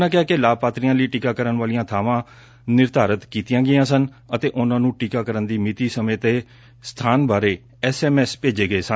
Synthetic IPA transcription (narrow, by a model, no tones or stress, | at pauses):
nãːkɪaːkɪlaːb̚paːt̪ɾijãːləiːʈikaːkəɾənʋaːlijãːt̪ʰaːʋãː | nɪɾt̪aːɾət̪kiːt̪ɪjãːɡɪjãːsən | ət̪eːʔʊnãːnũːʈikaːkəɾənd̪iːmɪt̪iːsəmẽːt̪eː | st̪ʰaːnbaːɾeː | ɛːsɛːmɛːspeːd͡ʒeːɡəeːsə